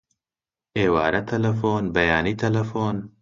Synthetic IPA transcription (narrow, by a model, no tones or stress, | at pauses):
ʔeːwaːɾɐt̪ʰɐlɐfoːnbɐjaːniːt̪ʰɐlɐfoːn